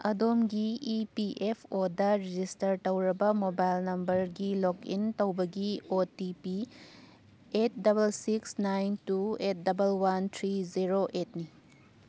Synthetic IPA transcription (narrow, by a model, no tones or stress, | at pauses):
ɐ̰domɡiipiʔepʰodɐɾid͡ʒistɐɾtɐwɾɐbɐmobajlnɐmbɐɾɡilokḭntɐwbɐɡiotipi | et̚dɐbɐlsiksnajntuet̚dɐbɐlwant̪ʰɾiziɾoʔet̚ni